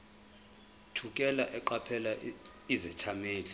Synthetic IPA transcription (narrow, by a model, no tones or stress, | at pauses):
tʰukʼɛlaʔɛǃapʰɛla | izɛtʰameːli